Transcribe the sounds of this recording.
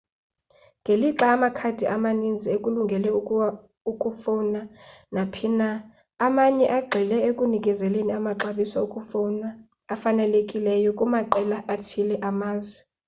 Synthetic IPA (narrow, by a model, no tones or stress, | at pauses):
ŋɡʱeliǁaːmakʰad̥ʱiʔamanind͡zʱiekʼuluŋɡʱɛlɛ | ukʼufɔnanapʰinaː | maɲɛʔaɡ͡ǃʱɛlɛekʼunikʼɛzɛleniamaǁaɓisaukʼufɔnaː | fanɛlekʼilɛjɔkʼumaǃɛlaʔatʰilɛʔamaːzwɛ